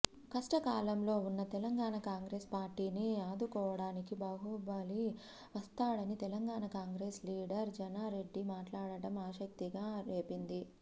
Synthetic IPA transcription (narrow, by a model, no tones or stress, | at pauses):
kɐʂʈɐkaːlɐmlo̞ːunːɐt̪ɛlɐŋɡaːnakaːŋɡɾeːspaːɾʈiːniaːd̪ukɔːʋɐɽaːnikibɐːɦubaːli | ʋɐst̪aːɽɐnit̪ɛlɐŋɡaːnakaːŋɡɾeːsliːɽɐɾd͡ʒɐnaːɾe̞ɖːimaːʈlaːɽɐɽɐmaːʃɐk̚t̪iɡaːɾe̞ːpind̪i